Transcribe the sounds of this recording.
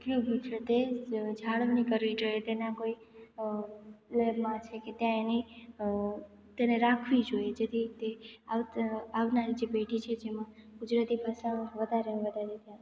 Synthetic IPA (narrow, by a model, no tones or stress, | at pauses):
kjoɡut͡ʃʰet̪ed͡ʒʱaɭʋnikəɾʋid͡ʒoet̪enakoi | lebmãt͡ʃʰeket̪jãeni | t̪eneɾakʰʋid͡ʒojed͡ʒet̪ʰit̪eaaʋnaɾid͡ʒebeʈit͡ʃʰed͡ʒemãɡʊd͡ʒɾat̪ipasaʋəd̪ʱaɾenʋəd̪ʱad͡ʒet̪jã